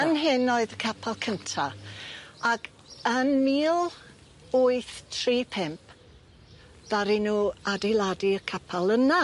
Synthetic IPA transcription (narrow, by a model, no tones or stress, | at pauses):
ənɦɪnoɨðəkʰapʰalˠkʰəntʰa | aɡ | ənmiːlˠ | uɨθtʰriːpʰɛmp̚ | ð̥aɾinuːadejlˠadikʰapʰalˠəna